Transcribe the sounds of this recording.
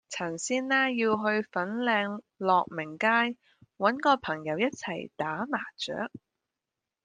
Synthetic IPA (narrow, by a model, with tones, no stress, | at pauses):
t͡sʰɐ˨˩nsiː˥nːaː˥jiː˧wɦɵ˧ɥfɐ˨˥nlɛː˧ŋ | lɔː˨˧k̚mɪ˨˩ŋkaː˥j | wɐ˨˥nkɔː˧pʰɐ˨˩ŋjɐ˨˥wjɐ˥t̚t͡sʰɐ˨˩jt̪aː˨˥maː˨˩t͡ʃœ̰ː˨˥k̚